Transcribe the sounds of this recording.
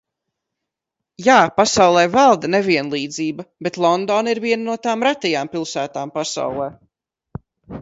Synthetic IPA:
jaːpasawlˠɛjvalˠd̪ɐnɛviɛnlˠiːd̪ziːbɐbet̪lˠɔnd̪ɔːniɾviɛnnuɔt̪aːmɾat̪ʲɛjaːmpilˠsæːt̪aːmpasa̰wlˠɛː

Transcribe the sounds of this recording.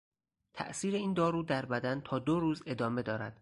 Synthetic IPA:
t̪ʰæ̰ʔsiːɾe̞iːnd̪ɒːɾuːd̪æɾbæd̪ænt̪ʰɒːd̪oɾuːze̞d̪ɒːme̞d̪ɒːɾæ̰d̪̥

